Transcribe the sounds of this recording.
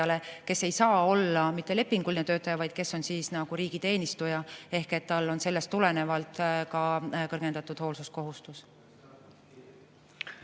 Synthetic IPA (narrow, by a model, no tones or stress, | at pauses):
ɑle̞ke̞sːe̞jsɑːo̞lːɑmit̪ːe̞le̞pːiŋɡ̥ulʲnet̪øːt̪ːˑɑjɑvɑjd̪̥̚ke̞sːo̞nsiːsnɑɡ̥uɾiːɡ̥it̪e̞ːnʲist̪ujɑe̞hke̞t̪ːɑlːo̞nse̞lːe̞st̪ːule̞ne̞vɑlt̪ˑkɑkɤrɡ̥e̞nd̪̥ɑt̪ːˑud̪̥ho̞ːlsusko̞ɦust̪us